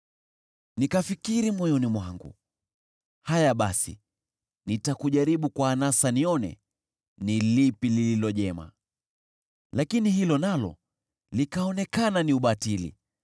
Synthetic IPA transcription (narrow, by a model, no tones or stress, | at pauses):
nikafikiɾimwɔjɔnimwaŋɡṵ | hajaɓasḭ | nitakuʄaɾiɓukwaːnasaniɔnɛ̰ | nilipilililɔʄɛma̰ | lakinihilɔnalɔ̰ | likaɔnɛkananiuɓatilḭ